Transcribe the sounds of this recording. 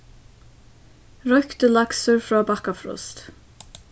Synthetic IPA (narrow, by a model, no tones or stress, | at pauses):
ɹœkt̪əlaksəɹfɾɔːbakafɾʊ̰st̪